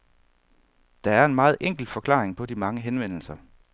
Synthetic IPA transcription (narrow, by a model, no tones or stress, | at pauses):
d̥ɑ̈æɐe̝nmɑ̈ːð̩ˠʔeŋ̰ɡ̥l̩d̥fɒ̽kʰlɑ̰̈ːʁeŋpʰɒ̽dimɑ̈ŋəɦenʋen̰l̩sɐ